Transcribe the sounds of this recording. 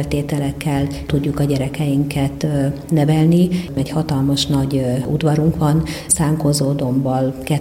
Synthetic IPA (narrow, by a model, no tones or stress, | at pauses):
lt̪eːt̪ɛlɛkːɛlt̪uɟːukɒɟɛɾɛkɛjiŋkɛt̪ | nɛvɛlniɛchɒt̪ɒlmɒʃnɒɟṵd̪ʋɒɾuŋkʋɒnsaːŋkozoːd̪o̞mbɒlkɛ